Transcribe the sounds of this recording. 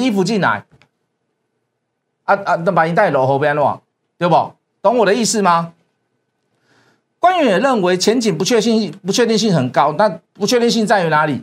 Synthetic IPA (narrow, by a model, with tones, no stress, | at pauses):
i˦fu˨˦t͡ɕi˥˨nla̰˨˦ɪ | a˧a˧t̪ə˧˨˩pa˨˩nĩ˨˩t̪a˥˩ɪ˨lo˨˦ʊɦo˨˦ʊpja˧nwa̰˥˨ŋ | t̪we˧bɔ˨˩ | t̪ɔ˧˦ŋwɔ˨ɾə˨˦i˥˧sɹ̩˥˨ma˧ | kwa˦ny˧˦˥jɛ˨˩lə˥˨nwe˨˦ɪt͡ɕʰjɛ˨˦nt͡ɕi˨˩npu˨˦t͡ɕʰɥɛ˥˧ɕi˥˧˥pu˨t͡ɕʰɥɛ˥˧t̪̬i˥˧ŋɕ̬i˥˨ŋhə˨˩nka˦ʊna˥˧˨pu˧t͡ɕʰɛ˥˧t̪i˥˧ŋɕ̬i˥˧ŋt͡sa˥˧ɪy˧˦na˨˧˦li˨˩